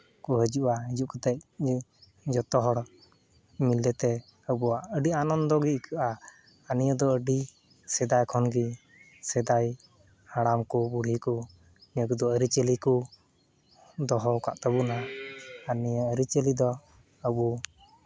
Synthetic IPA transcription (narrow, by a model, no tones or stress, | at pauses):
kuɦəd͡ʒuʔaɦid͡ʒuʔkɔt̪ɛc̚ | d͡ʒɔt̪ɔɦɔɽ | milɛt̪ɛ | əbuwaʔəɖianɔnd̪ɔɡikʰəʔaː | nijəd̪ɔəɖi | sɛd̪ajkʰɔnɡi | sɛd̪aj | haɽamkɔbuɽ̤iku | niəkud̪ɔəɾit͡ʃəliku | d̪ɔɦɔwka̰ʔt̪əbunaaniəəɾit͡ʃelid̪ɔ | əbu